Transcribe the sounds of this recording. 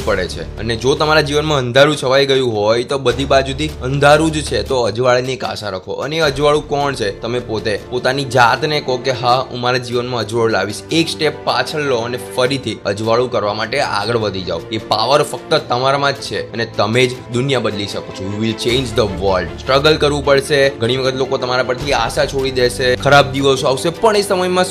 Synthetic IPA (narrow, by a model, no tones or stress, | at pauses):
pəɽet͡ʃʰḛə̰ned͡ʒot̪əmaɾad͡ʒiʋənmãə̃nd̪ʱaɾũt͡ʃʰəʋajɡəjũɦojt̪obəd̪ʱibad͡ʒud̪ʱiənd̪ʱaɾũd͡ʒt͡ʃʰet̪oəd͡ʒʋaɭnieka̰ʃaɾəkʰo̰ʔə̰neeəd͡ʒʋaɭũkɔɳt͡ʃʰet̪əmepot̪epot̪anid͡ʒat̪nekokeɦaṵ̃maɾad͡ʒiʋənmãəd͡ʒʋaɭla̰ʋiʃeksʈepːa̰t͡ʃʰəɭːoənefəɾit̪ʰiəd͡ʒʋaɭũkəɾʋamaʈeʔa̰ɡəɭʋəd̪ʱid͡ʒa̰oepaʋəɾfək̚t̪ət̪əmaɾamãd͡ʒt͡ʃʰeənet̪əmed͡ʒd̪ʊnjabəd̪liʃəkot͡ʃʰũʋiʋilt͡ʃẽnd͡ʒd̪əʋəlɖsʈɾəɡəlkəɾʋũpəɭʃeɡʱəɽ̃iʋəkʰət̪lokot̪əmaɾapəɾt̪ʰiaʃat͡ʃʰoɽid̪ɛʃekʰəɾab̚d̪iʋəsaʋʃepəɳesəməjmã